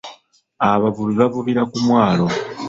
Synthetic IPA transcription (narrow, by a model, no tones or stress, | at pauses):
aβavuβiβavuβiɾakumwaːlo